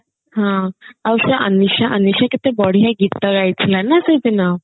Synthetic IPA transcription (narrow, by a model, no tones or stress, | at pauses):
ɦãawɕaʔəniɕaʔəniɕakit̪ebɔɽ̤ijaɡit̪əkajt͡sʰlanasəjt̪ina